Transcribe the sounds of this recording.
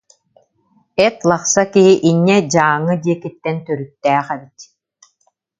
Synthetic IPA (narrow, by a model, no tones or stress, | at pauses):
ɛt̪lˠaχsakiɦiʔiɲːɛd͡ʑaːŋːɯd̪iɛkit̪ːɛnt̪œɾyt̪ːæːχɛbit̪